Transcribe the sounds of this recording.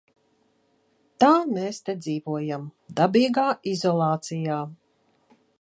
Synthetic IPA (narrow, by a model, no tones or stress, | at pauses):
t̪aːmeːst̪ed̪ziːvuɔjamd̪abiːɡaːʔizɔlˠɑːt̪sijaː